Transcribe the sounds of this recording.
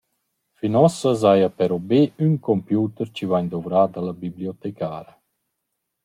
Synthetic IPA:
finɔsəzajapɛɾɔbeynkɔmpjuːt̪əɾt͡ɕivaɲd̪ɔvɾaːd̪alabibliɔt̪ɛkaːɾə

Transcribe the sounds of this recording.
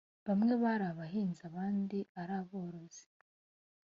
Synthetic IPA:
βamŋe̞βaɾaβaɦiːnzaβaːndiaɾaːβo̞ːɾo̞z̥i̥

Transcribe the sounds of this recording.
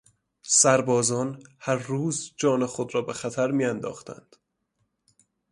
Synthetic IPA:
sæɾbɒːzɒːnhæɾːuːzd͡ʒɒːnexod̪ɾɒːbexæt̪ʰæɾmiːænd̪ɒ̰ːxt̪ʰæ̰nd̪̥

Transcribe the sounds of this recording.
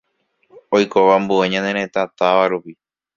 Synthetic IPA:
ojkoʋambueɲãnẽɾ̃ẽ̞t̪at̪aʋaɾupi

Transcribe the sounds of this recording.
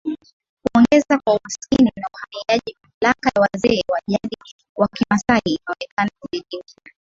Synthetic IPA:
kuɔŋɡɛzakwauhasininauhamiaʄimamlakajawazɛːwaʄaɗi | wakimasaiːnaɔnɛkʰanakuliɗiŋɡiɾɛ

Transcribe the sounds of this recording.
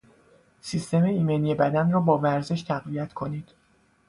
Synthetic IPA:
sist̪e̞meiːmenije̞bæd̪ænrɒːbɒːvæɾze̞ʃt̪ʰæɣvijæt̪ʰkʰo̞niːd̪̥

